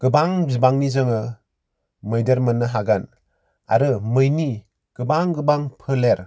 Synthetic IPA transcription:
ɡ̥ɯbaŋzibaŋnizɯŋɯ | mɯjdeɾmɯnːɯɦaɡan | a̰ɾɯmɯjni | ɡ̥ɯbaŋɡɯbaŋpʰɯleɾ

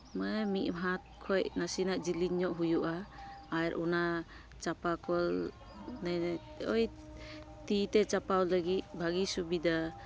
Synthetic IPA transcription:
mamiʔ̚ɦat̪̚kʰɔjnasinaʔd͡ʒiliɲːɔʔɦujuʔaːjɾʔɔna | t͡ʃapakʰɔl | na | ɔj | t̪it̪ɛt͡ʃapawlaɡit̪̚bʱaɡisubid̪a

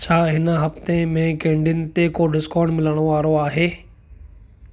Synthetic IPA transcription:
t͡ɕʰaːɦɪnəɦɐft̪emẽkẽːɳɖiɪnɪ̆t̪ekoɖɪskɔ̃ːɳɖmɪləɽ̃oʋaːɾoaːɦeː

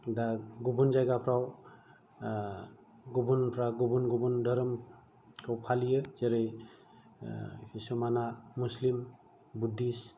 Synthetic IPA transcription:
daɡubunzaɡapʰɾaw | ɡubunpʰɾaɡubunɡubundʱɔɾɔm | kʰawpʰalijɯz̥eɾɯj | hisɔmanamuslim | budːis

